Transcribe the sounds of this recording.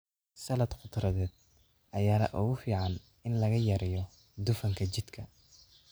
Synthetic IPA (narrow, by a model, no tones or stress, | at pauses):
sɐlɐd̪qʊd̪rɐðɛːd̪̚ | ʔɐjaːnɐ̰ʔʊɣʊfiːʕɑn | ɪnlɐɣɐjɐɾɛjɔ | d̪ʊfɐŋkʰɐt͡ʃɪd̪kʰɐ